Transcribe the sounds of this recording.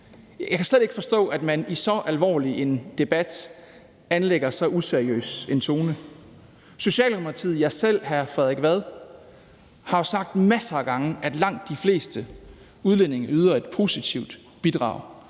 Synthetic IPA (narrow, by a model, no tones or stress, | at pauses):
jɑɪkʰæsled̥e̝ɡ̥əfɒ̽sd̥ɔ̰̽ːæd̥mænisɒ̽ʔælʋɒ̰ːliʔe̝nd̥e̝b̥æd̥ | ænleɡ̥ɐsɒ̽ʔuseɐiø̰ːse̝nt͡sʰo̝ːnə | so̝ɕɛ̰ːlmʰɑt͡sʰið̩̰ˠjɑ̈sel̰ɦæɐfʁɛðˠeɡ̥ʋæð̞ˠ | hɑ̈osɑ̈ɡ̥̚d̥mæsɐːɡ̥ɑ̈ŋəʔæd̥lɑ̈ŋ̰d̥ːifle̝̰ːsd̥ə | uð̞ˠlen̰e̝ŋɐyð̞ˠɐe̝d̥pʰo̝ːsit͡sʰiʊd̥ | b̥id̥ʁɑ̰̈ʊ̰